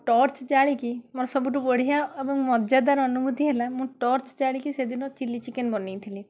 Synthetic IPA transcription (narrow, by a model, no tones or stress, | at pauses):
ʈɔːɾt͡ʃd͡ʒaːɭikimɔɾsɔbuʈubɔɽ̤ijaɐbũŋmɔd͡ʒad̪aɾɐnumut̪iɦɛlamũʈɔːɾt͡ʃd͡ʒaːɭikised̪inɔ̃t͡ʃilːit͡ʃikenbɔnit̪ʰili